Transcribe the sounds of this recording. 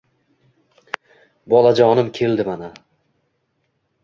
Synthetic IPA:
bɒlad͡ʒɒnɪmkʲʰe̞ld̪ɪmana

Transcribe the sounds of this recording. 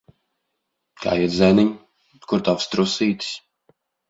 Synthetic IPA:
ka̰ːjizɛniɲ | kuɾt̪avst̪ɾusiːt̪sʲ

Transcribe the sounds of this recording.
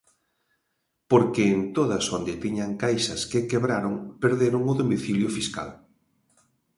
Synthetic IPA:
poɾkɪːnt̪oðɐsond̪ɪt̪iɲaŋkajsɐskɪkeβɾaɾoŋpeɾðeɾʊŋʊðomiθiljʊfiska̰l

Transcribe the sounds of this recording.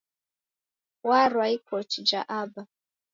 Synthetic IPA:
waɾwaikʰɔt͡ʃid͡ʒaʔaba

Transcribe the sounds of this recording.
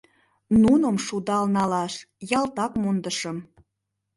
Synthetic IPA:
nunəmʃud̪ɑlnɑlɑʃ | jɑlt̪ɑkmund̪əʃəm

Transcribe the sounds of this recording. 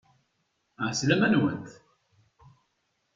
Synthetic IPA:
ʕslæmænwə̰nt̪

